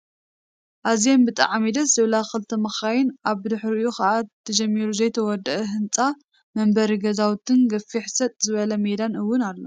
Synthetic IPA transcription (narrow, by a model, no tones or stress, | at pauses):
ʔazijembɨt̪ʼa̰ʕamid̪ɐszɨβlaxɨlt̪ʰɐmɐxajɪnʔaβd̪ɨħɾɨjuxɐʔat̪ʰːɐd͡ʒɐmːiɾuzɐjt̪ʰɐwɔd̪ɐʔɐɦɨnt͡sʼa | mɐmbɐɾiɡɐzawt̪ʰːɨnɡɐfːiħsɐt̪ʼzɨβɐlɐmed̪anɨwːʊnalːo